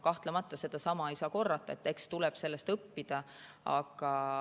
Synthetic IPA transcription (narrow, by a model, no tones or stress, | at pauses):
kɑht̪lemɑt̪ːˑɑse̞d̪̥ɑsɑmɑejsɑːko̞rːɑt̪ːˑɑet̪ːˑe̞kst̪ulɛb̥se̞lːe̞st̪ɤpːid̪̥ɑ | ɑ̰ɡ̥ɑ